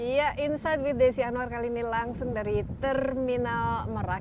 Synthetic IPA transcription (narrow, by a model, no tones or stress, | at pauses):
jaʔinsajd̚wit̪̚desianuarkalinilaŋsʊŋdaɾit̪ərminalməɾa